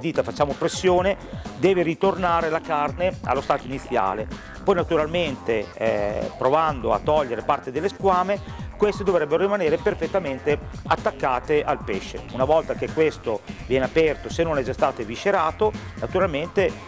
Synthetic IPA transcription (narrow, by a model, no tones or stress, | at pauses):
d̪iːt̪afat͡ʃːaːmopɾesːjoːned̪ɛːveɾit̪ornaːɾelakarnea̰lːost̪aːt̪oinit̪sːja̰ːle | pɔjnat̪uɾalment̪e | pɾovand̪oa̰t̪ːɔʎːeɾepart̪ed̪elːeskwaːmekwest̪ed̪ovɾɛbːeɾoɾimaneːɾeperfet̪ːament̪eat̪ːakːaːt̪eʔalpɛʃːḛunavɔlt̪ak̟ekːwest̪ovjɛːneapɛrt̪osenːonɛd͡ʒast̪aːt̪eviʃeɾaːt̪onat̪uɾalment̪e